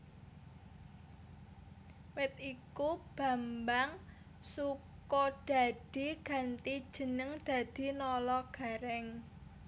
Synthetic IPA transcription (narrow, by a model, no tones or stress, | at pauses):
wɪt̪̚ikub̥ä̤mbaŋ | sukɔd̪̥a̤d̪̥i̤ɡ̥ä̤nt̪i̥ʒ̥ə̤nəŋd̪̥a̤d̪̥i̤nɔlɔɡ̥a̤ɾɛŋ